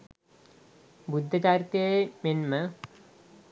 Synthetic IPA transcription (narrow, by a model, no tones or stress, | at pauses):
bud̪ʱːət͡ɕaːɾt̪ijəmenmə